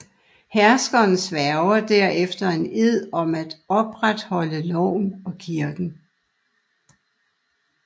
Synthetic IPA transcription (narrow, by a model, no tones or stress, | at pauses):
hæɐsɡ̥ɐn̩sʋæɐʊɐd̥æɐ̰efd̥ɐe̝ne̝ð̰ˠɒ̽mæd̥ɒ̽b̥ʁad̥hɒ̽ləlɒʊ̰mɒ̽kʰiɐɡ̥n̩